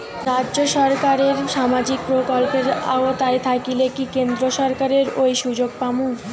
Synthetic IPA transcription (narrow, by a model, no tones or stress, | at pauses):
ɾadoʃɔɾkaɾeɾʃamad͡ʑik̚pɾokolpeɾa̰ot̪ajt̪ʰakilekikend̪ɾoʃɔɾkaɾeɾojʃud͡ʑoɡ̚pamu